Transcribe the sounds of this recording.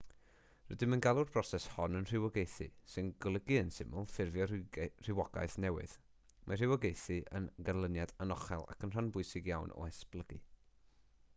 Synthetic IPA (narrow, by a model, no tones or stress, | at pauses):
rədɪmənɡalˠʊrb̥rɔsɛshɔnənr̥ɪwɔɡejθisɨnɡɔlˠəɡiənsɪmʊlˠfɪrvjɔr̥ɪwɔɡ̥a̰jθnɛwɨ̰ð̥ | mar̥ɪwɔɡejθiʔə̰nɡalˠənjadanɔχɛ̰lˠa̰kənr̥anbʊɨsɪɡjawnʔɔ̰ɛsplˠəɡi